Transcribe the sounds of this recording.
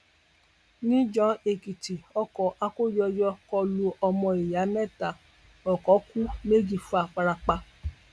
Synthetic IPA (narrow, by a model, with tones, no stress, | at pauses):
nĩ˦d͡ʒɔ̃˦e˨ki˨ti˨ɔ˧kɔ˨ʔa˧ko˦jɔ˧jɔ˧kɔ˧lu˧ʔɔ˧mɔ̃˧e˨ja˨˦nɛ̃˦˨ta˨ | ɔ˨kɔ˨˦ku˦me˦d͡ʒi˨fa˨˧˨k͡pa˧ɾa˧k͡pa˧